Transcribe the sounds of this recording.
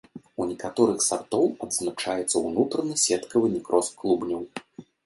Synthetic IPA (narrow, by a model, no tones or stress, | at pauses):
unʲɛkat̪ɔɾɨxsart̪ɔwɐd̪znat͡ʂajɛt̪sːɐwnut̪ɾɐnɨsʲɛt̪kɐvɨnʲɛkɾɔskkːlˠubnʲɐw